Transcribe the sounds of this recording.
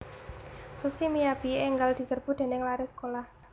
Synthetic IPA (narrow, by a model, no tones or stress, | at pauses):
susimiab̥i̤eŋɡald̪̥i̤sərb̥ṳd̪̥e̤nɪŋlaɾɪsə̥kolah